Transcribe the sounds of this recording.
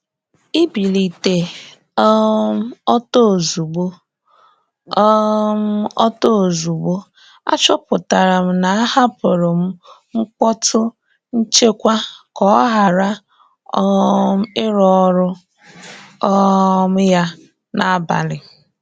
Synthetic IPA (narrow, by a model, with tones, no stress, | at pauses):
i˦bi˨li˨te˨ | ɔ˦m̩˦ɔ˦to˦˨zu˨ɡ͡bo˦ | m̩˦ɔ̰˦to˦o˨zu˨ɡ͡bo˦ | a̰˦t͡ʃɔ˦pʊ˨ta˨ɾa˨m̩˦na˨˦ha˦pʊ˨ɾʊ˨m̩˦ | ŋ̩˦kʷɔ˦tʰʊ˦ | n̩˦t͡ʃe˦kʷa˦kɔ˨˦ɔ˦ɦa˨ɾa˦ | ɔ˦m̩˦ɪ˦ɾɔ˦ɾʊ˦ | m̩˦ja˦ | na˨˦ba̰˨lɪ˨